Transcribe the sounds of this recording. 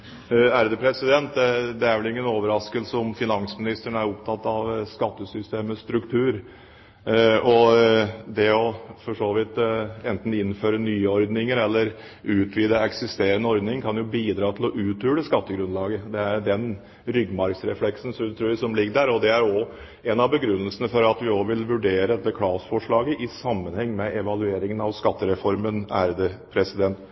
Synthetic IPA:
æɾd̪əpʰɾɛsɪd̪ɛnt̪d̪ɛæɾʋɛlɪŋːənoːʋəɾɑskəlsəɔmfɪnɑŋsmɪnɪst̪əɳæɾɔpt̪ʰɑt̪ːɑʋskɑt̪ːəsʏst̪eːməst̪ɾʉkt̪ʰʉːɾ | ɔ | d̪ɛɔfɔʂoːʋɪt̪ɛnt̪n̩ɪnføːɾənyːɔɾd̪nɪŋəɾɛlːəɾ | ʉːt̪ʰʋiːd̪əɛksɪst̪eːɾənəɔɾd̪nɪŋkʰɑnjʊbiːd̪ɾɑːt̪ʰɪlɔʔʉːt̪ʉːɽəskɑt̪ːəɡɾʉnlɑːɡəd̪ɛæɾɖɛn | ɾʏɡmɑɾksɾɛflɛksn̩sɔt̪ʰɾʉːsɔmlɪɡːəɖ̪æɾɔd̪ɛæɾɔ | ɛnɑʋbəɡɾʉnːəlsənəfɔɾɑt̪ʋɪɔʋɪlʋʉɖeːɾəd̪ɛt̪ːəkʰɽɑːsfɔʂɭɑːɡəʔɪsɑmːənhɛŋːmɛʔɛʋɑlʉeːɾɪŋənɑʋskɑt̪ːəɾɛfɔɾmənæːɾd̪ɛpʰɾɛsɪd̪ɛnt̪

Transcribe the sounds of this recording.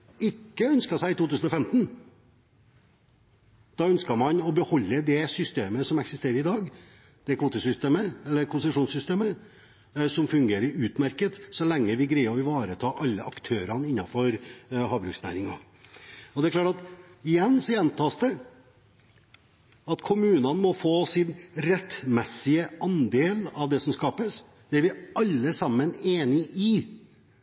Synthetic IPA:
ɪkːəœnskɑʂæɪɪt̪uːt̪ʉːsn̩ɔfɛmt̪n̩ | d̪̥ɑːœnskɑmɑnɔbəhɔlːəd̪ɛsʏst̪eːməsɔmɛksɪst̪eːɾəɾɪd̪ɑːɡ | d̪̥ɛkʰʋuːt̪əsʏst̪eːməɛlːəɾkʰʊnsəʂuːnsʏst̪eːmə | sɔmfʉŋɡeːɾəɾʉːt̪mæɾkət̪sɔlɛŋːəʋɪɡɾæɪɔɪʋɑːɾət̪ʰɑːʔɑlːəʔɑkt̪ʰøːɾɑnɪnːɑfɔɾhɑːbɾʉːksnæ̰ːɾɪŋɑ̰ | ɔd̪ɛæɾklɑːʈɑt̪ɪjɛnːsɔjɛnt̪ʰɑːst̪ə | ɑt̪kʰʊmʉːnɑnmɔfoːsɪnɾɛt̪mɛsɪəɑnd̪eːlɑʋd̪ɛsɔmskɑːpəs | d̪̥ɛæɾʋɪɑlːəsɑmːəneːnɪɪ

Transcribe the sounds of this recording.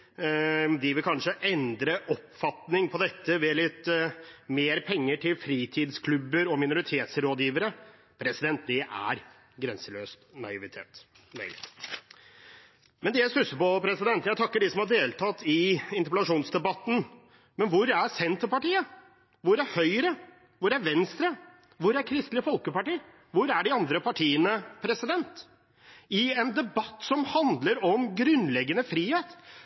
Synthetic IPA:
d̪ɪʋɪlkʰɑnʂəʔɛnd̪ɾəʔɔpfɑt̪nɪŋpʰɔd̪ɛt̪ːəʋɛlɪt̪meːɾpʰɛŋːəʈʰɪlfɾiːt̪ʰiːd̪skʰlʉbːəɾɔmɪnʊɾɪt̪ʰeːt̪sɾoːd̪jiːʋəɾə | pʰɾɛsɪd̪ɛnt̪̚d̪ɛʔæ̰ɾ | ɡɾɛnsəløːst̪nɑɪʋɪt̪ʰeːt̪ | mœʏlɪ | mɛnd̪ɛjæstʉsəpɔpʰɾɛsɪd̪ɛnt̪jæɪt̪ʰɑkːəɖɪsɔmhɑɖeːlt̪ʰɑt̪ːɪɪnt̪əpɛlɑʂuːnsd̪ɛbɑt̪ːn̩ | mɛnʋʊɾæɾsɛnt̪əpɑʈiːə | ʋʊɾæɾhœʏɾə | ʋʊɾæɾʋɛnst̪ɾə | ʋʊɾæɾkʰɾɪst̪lɪfɔlkəpɑʈiːə | ʋʊɾæɖɪɑnd̪ɾəpʰɑʈʰiːənəpʰɾɛsɪd̪ɛnt̪ | ɪɛnd̪ɛbɑt̪ːsɔmhɑnd̪ləɾɔmɡɾʉnlɛɡːənəfɾiːheːt̪

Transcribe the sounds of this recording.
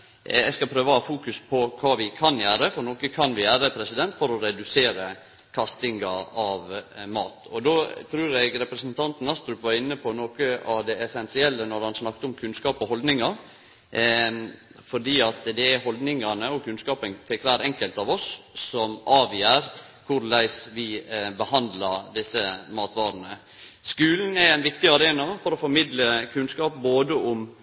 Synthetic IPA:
ɛskɑpʰɾøːʋəhɑːfuːkʉspʰɔkʰɑːʋɪkʰɑnjæːɾəfɔɾnɔkəkʰɑnʋɪjæːɾəpʰɾɛsɪd̪ɛnt̪fɔɾɔɾɛd̪ʉseːɾə | kʰɑst̪ɪŋɑɑʋmɑ̰ːt̪ɔd̪oːt̪ʰɾʉːɾɛɡɾɛpɾəsənt̪ʰɑnt̪n̩ɑst̪ɾʉpʋɑɾɪnːəpʰɔnoːkəɑʋd̪ɛʔɛsɛnsɪɛlːənɔɾhɑnsnɑkt̪əɔmkʰʉnskɑːpɔhɔld̪nɪŋɑ | fɔɖiːɑt̪d̪ɛæɾɦɔld̪nɪŋɑnəɔkʰʉnskɑːpənt̪ʰɪkʋæːɾɛŋkəlt̪ɑʋɔsːɔmɑːʋjæɾ | kʰʊɾlæɪsʋɪbəhɑnd̪lɑd̪ɪsːəmɑːt̪ʋɑːɾnə | skʉːln̩ɛæɪnʋɪkt̪ɪɑɾeːnɑfɔɾɔfɔɾmɪd̪ləkʰʉnskɑːp̚boːd̪əʊm

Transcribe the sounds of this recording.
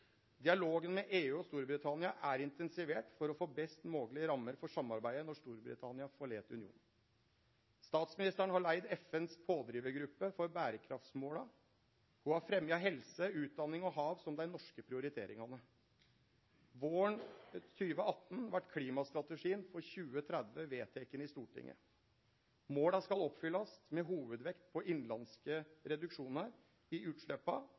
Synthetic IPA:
d̪ɪɑloːɡənmɛʔeːʉːɔst̪uːɾbɾɪt̪ʰɑnɪɑʔæɾɪnt̪ɛnsɪʋeːʈfɔɾɔfoːbɛst̪moːɡlɪəɾɑmːəɾfɔʂɑmɑɾbæɪənɔʂt̪uːɾbɾɪ̰t̪ʰɑnɪɑfoɭḛːt̪ʉ̰nɪṵːn̩ | st̪ɑːt̪smɪnɪst̪æɳəhɑɭæɪd̪ɛfɛnspʰoːd̪ɾiːʋəɡɾʉpːəfɔɾbæːɾəkʰɾɑft̪smoːlɑ | huhɑɾfɾɛmjɑɦɛlsəʉːt̪̚d̪ɑnɪŋɔɦɑːʋsɔmd̪æɪnɔʂkəpʰɾɪʊɾɪt̪ʰḛːɾɪŋɑnə | ʋoːəɳt̪ʰyːʋəɑt̪ːn̩ʋæʈːkʰliːmɑst̪ɾɑt̪əʂiːənfɔɾçʉːət̪ʰɾæd̪ʋəʋeːt̪ʰeːkənɪst̪uːʈʰɪ̰ŋːʔə̰ | moːɽɑskɑlɔpfʏlːɑsmɛɦuːʋəd̪ʋɛkt̪pʰɔʔɪnlɑnskəɾɛd̪ʉkʂuːnəɾ | ɪʉːt̪ʂɭøːpɑ̰

